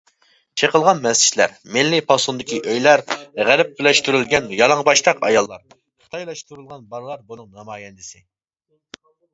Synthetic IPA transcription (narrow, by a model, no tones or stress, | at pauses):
t͡ʃʰeqəlˠʁɑnmɛsʰi̥ʃlæɾmɪlːɪpʰɑsund̪ɪkʲiʔøjlæɾʁæɾɪp̚bɪlɛʃt̪yɾylɡʲɛnjɑlˠɑŋbɑʃt̪ɑqɑ̰jɑlˠːɑɾ | χə̥t̪ʰɑjlˠɑʃt̪uɾulˠʁɑnbɑɾlˠɑɾbunɨŋnɑmɑːjɛnd̪ɪsɪ